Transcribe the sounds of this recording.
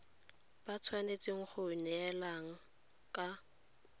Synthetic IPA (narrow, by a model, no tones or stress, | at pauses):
b̥at͡sʰwanet͡sʼɪŋ̩χʊnɛɛlaŋ̩ | kʼa